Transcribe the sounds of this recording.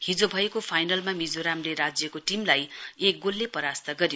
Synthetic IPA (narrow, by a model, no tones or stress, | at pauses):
hid͡zobʱʌekopʰajnʌlmamid͡zoɾamleɾad͡zjʌkoʈimlajek̚ɡolːepʌɾast̪ʌɡʌɾi